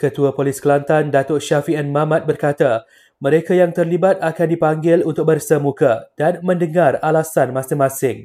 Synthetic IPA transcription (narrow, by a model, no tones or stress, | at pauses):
kət̪uapoliskəlant̪andat̪oʃafiɛnmamãt̪̚bərkat̪a | mə̃ɾekajaŋt̪ərlibat̪̚akandipaŋɡɪlunt̪ʊk̚bərsəmukad̥anmə̃ndəŋaralasanmãsɪŋmãsɪŋ